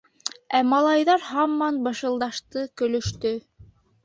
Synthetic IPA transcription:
æmɑlˠɑjðɑɾhɑmːɑnbɤ̆ʃɤ̆lˠd̪ɑʃt̪ɤkɵ̆lɵ̆ʃt̪ɵ

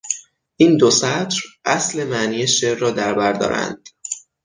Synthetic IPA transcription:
ʔiːnd̪osæt̪ɾʔæsle̞mæʔniːjeʃeːrːɒːd̪æɾbæɾd̪ɒ̰ːɾæ̰nd̪̥

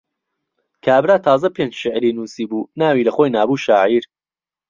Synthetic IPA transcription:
kʰaːbɾaːt̪ʰaːzɐpend͡ʒʃɪʕɾiːnuːsiːbuːnaːwiːlɐxoːjnaːbuːʃaːʕiɾ

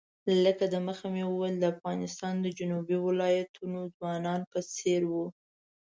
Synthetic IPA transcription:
ləkad̪əməxamewəwɛld̪əafɣɑnɪst̪ɑnd̪əd͡ʒʊnubiwɪlɑjat̪ʰunozwɑnɑnpəseɾwu

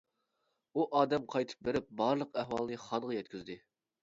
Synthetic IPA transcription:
uʔɑːd̪ɛmqʰɑjt̪ʰɨ̥p̚beɾɪp̚bɑɾlˠəqæhwɑlˠnɨχɑnʁɑjɛt̪ʲkʲʰyzd̪ɪ

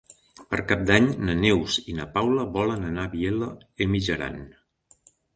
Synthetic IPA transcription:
pə̰ɾkap̚d̪aɲnənewzinəpawləβɔlənənaβielə | emiʒəɾa̰n

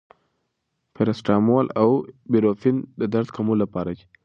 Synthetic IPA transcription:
peɾasʈɑmolawbiɾofind̪əd̪aɾt̪kamolapɑɾad͡ʒi̥

